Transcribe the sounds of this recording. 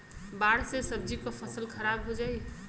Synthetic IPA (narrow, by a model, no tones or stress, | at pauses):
baɽsesəb̚d͡ʒikəpʰəsəlkʰəɾabɦod͡ʒai